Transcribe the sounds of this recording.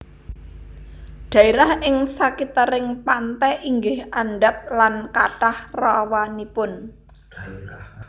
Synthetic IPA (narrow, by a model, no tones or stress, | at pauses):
ɖ̪̥ä̤iɾahɪŋsakit̪əɾɪŋpant̪ɛʔiŋɡɪhanɖap̚lankaʈahrawanipʊn